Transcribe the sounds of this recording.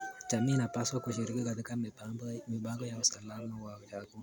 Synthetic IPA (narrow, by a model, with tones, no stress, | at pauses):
d͡ʒa˨mi˦na˨pa˦swa˦kuʃi˨ɾi˦ki˦ka˨ti˦kammi˨ba˦ŋɡɔ˦ja˨u˨sa˨la˦ɾnɔwawɔ˨d͡ʒa˦ku˦